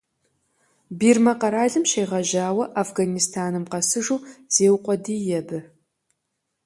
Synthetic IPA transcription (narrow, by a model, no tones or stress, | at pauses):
biːrmɐqɐɾaːɮɨmʃejʁɐʑaːwɐʔafɡanistʰaːnɨmqɐsɨʐuːz̥eːwqʷʼɔdiːjɛbɨ